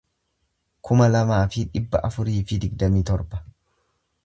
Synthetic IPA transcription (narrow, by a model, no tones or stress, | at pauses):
kʰʊmɐlɐmaːfɪᶑɪbːɐ̰ʔɐfʊɾiːfɪd̪ɪɡd̪ɐmiːt̪ɔɾbɐ̥